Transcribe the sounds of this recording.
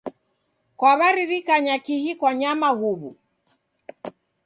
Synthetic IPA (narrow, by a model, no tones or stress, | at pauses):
kwaβaɾiɾikaɲakihikwaɲamahuβṵ